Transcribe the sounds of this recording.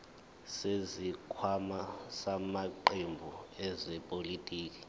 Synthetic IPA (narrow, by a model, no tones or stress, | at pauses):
sezikʰwamasamaǃembʱuɛzɛpʼolitʼiːk̬ʼi̥